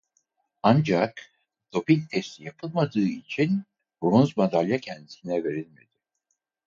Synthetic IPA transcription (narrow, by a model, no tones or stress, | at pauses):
and͡ʒak | d̪̥o̞pint̪ʰɛst̪ʰijapʰɯlˠmad̪ɯːit͡ʃʰin | bɾunzmad̪alʲjacʰɛnd̪isinɛve̞ɾilʲmed̪̥ɪ